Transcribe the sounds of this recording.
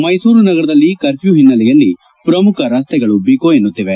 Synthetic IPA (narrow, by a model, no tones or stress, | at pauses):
mɐjsuːɾunɐɡɐɾɐd̪ɐlːikɐɾpjuɦinːɐlɛjɐlːi | pɾɐmukʰɐɾaːst̪ɛɡɐɭubiːkoːenːut̪ːiʋe